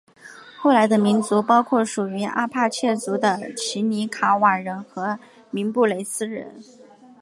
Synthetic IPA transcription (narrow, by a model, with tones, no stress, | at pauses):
xo˥˩ʊla˧˥ɪd̪ə˧mi˧˥nt͡su˧˥pɑ˥ʊkʰwɔ˥˩ʂu˨˩y˧˥ʔa̰˥pʰa˥˧t͡ɕʰjɛ˥˩t͡su˧˥d̪ə˧t͡ɕʰi˧˥ni˧˥kʰa˧˥wa˨˩ɻə˧˥nxɤ˧˥ | mi˧˥npu˥˩le˧˥ɪsɹ̩˥ɻə̰˧˥n